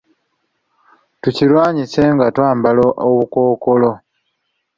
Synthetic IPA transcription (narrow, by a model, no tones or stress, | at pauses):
tucilwaːɲise̞ŋɡatwaːmbaloʔoβuko̞ːko̞lo̞